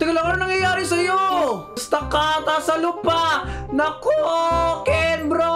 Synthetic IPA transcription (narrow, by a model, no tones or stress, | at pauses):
t̪ɪɡɐloŋɐɾnɐŋjɐjaːɾɪsɐjo | st̪ɐkat̪ɐsɐlupanɐkokɛnbɾo